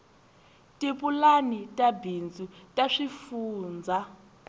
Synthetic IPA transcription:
tʼipʼulanitʼabind͡zutʼaʂifuːnd͡za

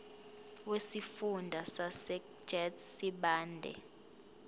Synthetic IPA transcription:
wesifundʱasasɛ̥ | d͡ʒɛtʰsiɓaːndʱɛ̰

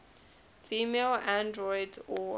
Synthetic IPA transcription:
fimelãndɹɔjdɔ

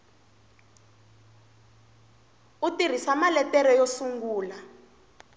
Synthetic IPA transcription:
utir̤isamalɛtɛɾɔjosuŋɡuːla

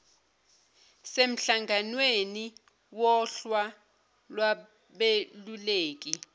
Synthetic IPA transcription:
sem̩ɬaŋɡʱanweni | wɔɬwa | lwa | ɓeluleːk̬i

